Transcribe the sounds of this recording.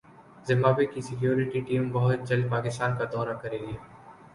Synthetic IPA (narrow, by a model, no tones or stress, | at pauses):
zɪmaːbekisɪkjoːɾɪʈiʈiːmbɐɦʊt̪̚d͡ʒɐlpaːkɪst̪aːnkad̪ɔːɾakɐɾeːɡjeː